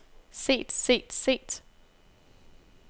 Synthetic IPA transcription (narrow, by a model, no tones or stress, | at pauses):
se̝̰ːd̥se̝̰ːd̥se̝̰ːd̥